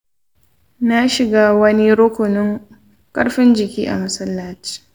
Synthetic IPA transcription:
na˦ʃɪ˨ɡaː˦wɐ˦ni˦ɽʊ˦kʷʊ˨nʊ˦ŋ | kʼɐ˦ɽɸɪ˦nd͡ʒɪ˨kʲḭː˦ʔa̰˨mɐ˦sɐ˦lːaː˦t͡ʃi̥˦˨

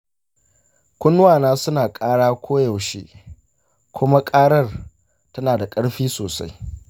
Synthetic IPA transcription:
kʷʊ˦nːʊ˦waː˨naː˦sʊ˦naː˨kʼaː˦ɽaː˦kʷʰoː˦ja˨wʃḛː˦ | kʷʰʊ˦ma˦kʼaː˦ɽɐ˦˨r | tɐ˦naː˨da˨kʼɐ˦ɽɸiː˦soː˨sa̰˦j

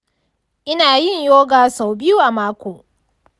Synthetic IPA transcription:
ʔɪ˦naː˨jɪ˦˨ɲjoː˦ɡaː˨sa˨wbɪ˦ju˦ʔa˨maː˦kʷoː˨

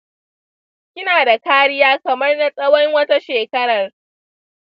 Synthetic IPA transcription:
kʲɪ˦naː˨da˨kaː˦ɽɪ˦jaː˦kɐ˨mɐ˦rna˦sʼɐ˦wɔ˦ŋwɐ˦ta˦ʃeː˨kɐ˦ɽɐ˨r

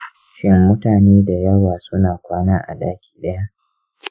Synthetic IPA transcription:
ʃɪ˦mːʊ˦taː˨neː˦da˨jɐ˦waː˨sʊ˦naː˨kʷaː˦naː˦ʔa̰˨da̰ː˦kʲʰi̥ː˨ɗɐ˦ja˦ʔ

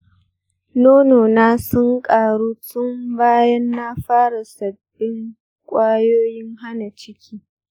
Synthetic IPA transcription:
noː˦noː˨naː˦sʊ˦ŋkʼaː˨ɽuː˦sʊ˦mbaː˦jɐ˦nːaː˦ɸaː˦ɽa˨sɐ˨b̥ːɪ˦ŋ | kʷʼaː˦joː˦jɪ˦ŋɦa˦na˨t͡ʃɪ˦kʲʰiː˦

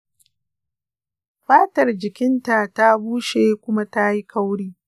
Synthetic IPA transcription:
ɸaː˦tɐ˨rd͡ʒɪ˨kʲɪ˦nta˨ta˦buː˦ʃeː˨kʷʊ˦ma˦ta˦ji˦ka˦wɽiː˦

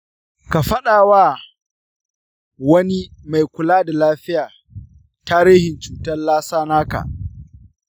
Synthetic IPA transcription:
ka˨ɸɐ˦ɗaː˨waː˦ | wɐ˦ni˦ma˨jkʷʊ˨laː˦da˨laː˦ɸɪ˦jaː˨ | taː˦ɾiː˦hɪ˨nt͡ʃuː˨tɐ˦nlaː˦saː˦naː˦ka̰˨ʔ

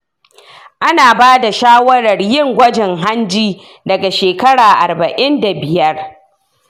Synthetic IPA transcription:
ʔa˦naː˨baː˦da˨ʃaː˦wɐ˦ɽɐ˨rjɪ˦˨ŋɡʷɐ˦d͡ʒɪ˨ŋɦa˦nd͡ʒiː˦ | dɐ˨ɡa˨ʃeː˨kɐ˦ɽaː˨ʔa̰˨rbɐ˨ʔɪ˦nda˨bɪ˨jɐ˦r

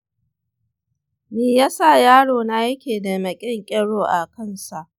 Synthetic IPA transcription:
miː˨jaː˦sa˦˨jaː˦ɽoː˨na˦ɐ˦kʲeː˨da˨mɐ˨kʲʼɪ˦ŋkʲʼɛ˦ɽoː˨ʔa˨kɐ˦nsa˨ʔ

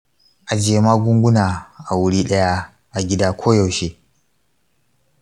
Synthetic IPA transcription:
ʔa˨d͡ʒeː˨maː˦ɡʷʊ˦ŋɡʷʊ˦naː˨ʔa˨wʊ˦ɽiː˦ɗɐ˦ja˦ | ʔa˨ɡʲɪ˦daː˦kʷʰoː˦jɐ˨wʃeː˦

